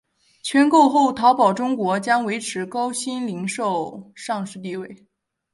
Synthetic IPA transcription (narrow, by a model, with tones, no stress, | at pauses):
t͡ɕʰɥɛ˧˥nko˥˧ʊxo˥˩ʊt̪ʰɑ˧˥ʊpɑ˨˩ʊʈ͡ʂʊ˥ŋkwɔ˧˥t͡ɕjɑ˥ŋwe˧˥ɪʈ͡ʂʰɻ̩˧˥kɑ˥ʊɕi˥nli˧˥ŋʂo˥˧ʊʂɑ˥˧ŋʂɻ̩˥˧t̪i˥˧we˥˩ɪ